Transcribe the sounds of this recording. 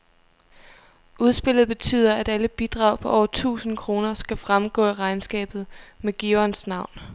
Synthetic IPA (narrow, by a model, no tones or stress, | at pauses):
ʔuð̞ˠsb̥e̝l̰ð̩ˠb̥e̝t͡sʰy̰ːð̞ˠɐæd̥æləb̥id̥ʁɑ̈ʊ̰pʰɒ̽ʔɒʊt͡sʰṵːsn̩kʰʁo̝ːnɐsɡ̥æfʁamɡ̥ɔ̰̽ːiʁɑ̈ɪnsɡ̥ɛ̰ːb̥ð̞̩ˠmeɡ̥iɒnsnɑ̈ʊ̰n